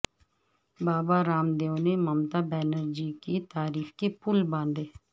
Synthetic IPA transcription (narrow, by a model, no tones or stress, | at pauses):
baːbaɾaːmd̪eːõːneːməmt̪aːbɛːnəɾd͡ʒiːkit̪aːɾiːxkeːpʊlbãːnd̪eː